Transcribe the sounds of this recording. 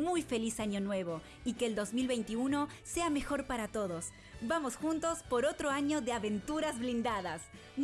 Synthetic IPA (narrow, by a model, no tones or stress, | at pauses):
mujfe̞lisaɲo̞nwe̞βo̞ | ikeːld̪o̞zmilβe̞jnt̪iuno̞se̞ame̞xo̞ɾpaɾat̪o̞ðos | bamo̞sxunt̪o̞spo̞ɾo̞t̪ɾoaɲo̞ðeaβe̞nt̪uɾazβlind̪aðas | n